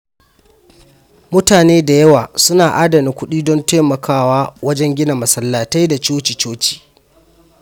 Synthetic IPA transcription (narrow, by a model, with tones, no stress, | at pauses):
mʊ˦taː˨neː˦da˨jɐ˦waː˨sʊ˦naː˨ʔaː˦dɐ˨ni˨ŋkʷʊ˦ɗiː˦dɔ˦nta˦mɐ˨kʰaː˦waː˦wɐ˦d͡ʒɛ˦ŋɡʲɪ˦na˨mɐ˨sɐ˦lːaː˨ta˦jda˨t͡ʃoː˦t͡ʃi˨t͡ʃoː˦t͡ʃi̥ː˨